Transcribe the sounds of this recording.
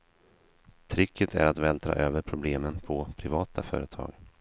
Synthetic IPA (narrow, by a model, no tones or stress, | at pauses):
t̪ʰɾɪkʰːət̪ʰæ̰ɾat̪vɛːld̪ʰɾɑ̰ːʔøːvəɾpʰɾʊbleːmənpʰɔpʰɾɪvɑːt̪ʰafœ̰ːɾət̪ʰɑ̰ːɡ